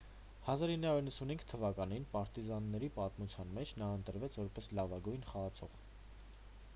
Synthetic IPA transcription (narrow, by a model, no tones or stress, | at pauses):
hɑzɑɾinːɑuɾinːəsunhiŋɡʰt̪ʰːəvɑkɑninpɑɾt̪izɑnːɛɾipɑt̪mut͡sʰjɑnmɛt͡ʃʰnɑənt̪əɾvɛt͡sʰvɔɾpɛslɑvɑɡujnχɑɑt͡sʰɔʁ